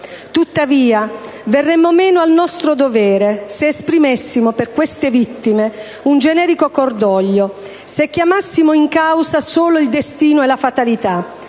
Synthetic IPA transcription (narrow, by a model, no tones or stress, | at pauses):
t̪ut̪ːaviːa | verːɛmːomɛːnʊalnɔst̪ɾod̪ovɛːɾeseːspɾimesːimoperkwest̪evit̪ːime | und͡ʒenɛːɾikokord̪ɔʎːo | sek̟ːjamasːimoiŋkawsasoːloild̪est̪iːnoɛlafat̪alit̪a